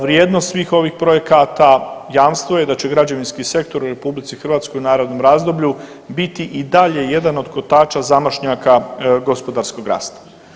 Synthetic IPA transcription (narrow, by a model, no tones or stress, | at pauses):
ɾjeːd̪nost̪sʋiːxo̞ʋixpɾo̞je̞kat̪ajaːmst̪ʋoje̞d̪at͡ɕe̞ɡɾad͡ʑeʋinskise̞kt̪o̞ɾuɾe̞publit̪sixrʋaːt̪sko̞junaːɾo̞d̪no̞mɾaːzd̪o̞bʎu | bit̪iʔid̪aʎe̞je̞d̪ano̞d̪kot̪aːt͡ʃazamaʃɲakaɡo̞spo̞d̪aːɾsko̞ɡɾa̰ːst̪ḁ